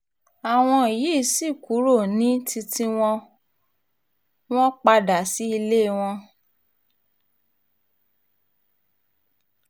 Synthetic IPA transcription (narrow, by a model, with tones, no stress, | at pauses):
a˨w̃ɔ̃˧i˨ji˨˦˨si˦˨ku˨˦ɾo˦˨nĩ˨˦tʰi˧ti˦w̃ɔ̃˧ | w̃ɔ̃˦k͡pa˧da˨si˨˦i˧le˦˨˧w̃ɔ̃˧